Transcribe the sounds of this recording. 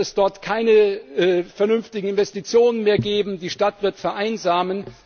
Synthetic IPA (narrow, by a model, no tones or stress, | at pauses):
ɛsd̥ɔɐtkʰaɪnə | fɛɐnʏnftɪɡŋ̩ɪnvɛstit͡sjoːnənmeːɐɡeːbm̩diːʃtatv̥ɪɐtfɛɐʔaɪnzaːmən